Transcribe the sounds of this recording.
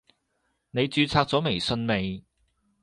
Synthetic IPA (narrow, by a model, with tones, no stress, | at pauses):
ne˨˧jt͡syː˧t͡sʰaː˧k̚t͡sɔː˨˥me˨˩jsɵ˧nme˨j